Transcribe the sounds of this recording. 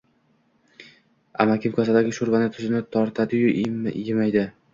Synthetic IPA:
a̰makʲɪmkʰasad̪aɡʲɪʃʊɾvanɪt̪ʰʊʃɪnɪt̪ʰɒɾt̪ʰad̪ɪjʊjɪmajd̪ɪ

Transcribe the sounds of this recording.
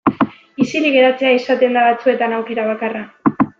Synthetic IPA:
isiliɣe̞ɾat͡se̞aisat̪e̞nd̪aβat͡sue̞t̪anawke̞ɾaβ̞akara

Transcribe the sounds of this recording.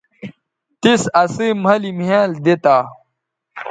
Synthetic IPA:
t̪isɐsimɦɐlimɦãld̪et̪a

